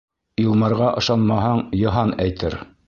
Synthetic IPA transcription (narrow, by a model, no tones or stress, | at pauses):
ɤlˠmɤ̆ɾʁɑʔɤ̆ʃɑnmɑɦɑɴjɤ̆ɦɑnæjt̪ʰɘɾ